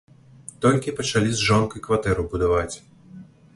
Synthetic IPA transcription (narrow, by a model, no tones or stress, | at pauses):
t̪ɔlʲkʲipɐt͡ʂalʲizʐɔnkuikvat̪ɛɾubud̪avat͡sʲ